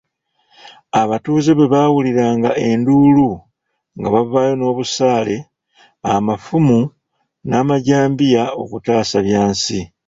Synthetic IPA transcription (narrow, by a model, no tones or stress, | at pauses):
aβatuːzeβwe̞βawuliɾaːŋɡaʔe̞nduːlu | ŋɡaβavaːjo̞no̞ːβusaːle̞ | amafumu | naːmaɟaːmbijao̞̰kutaːsaβjaːnsi